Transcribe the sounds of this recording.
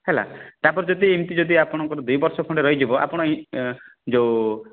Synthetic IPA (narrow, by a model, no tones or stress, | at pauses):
hela̰t̪apɔɾd͡ʒɔd̪iːmt̪id͡ʒɔd̪iapɔɽ̃ɔŋkɔɾɔd̪ujbɔɾsɔkʰɔɳɖeɾɔɦid͡ʒibɔʔa̰pɔɽ̃ɔi | d͡ʒew